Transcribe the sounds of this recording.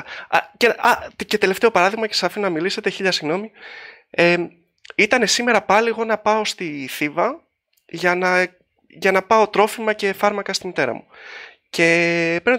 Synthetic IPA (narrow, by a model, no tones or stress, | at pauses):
ceɐt̪ce̞t̪e̞left̪e̞o̞pɐɾɐðiɣmɐce̞sɐfinɐmilise̞t̪e̞çiʎɐsiɣno̞mi | e | it̪ɐne̞sime̞ɾɐpɐliɣo̞nɐpɐo̞st̪iθivɐ | ʝɐnɐ | ʝɐnɐpɐo̞t̪ɾo̞fimɐce̞fɐɾmɐkɐst̪init̪e̞ɾɐ̰mu | ce̞peɾno